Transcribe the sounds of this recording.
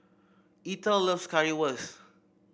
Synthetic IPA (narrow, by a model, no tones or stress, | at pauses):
itələfskaɹiwəs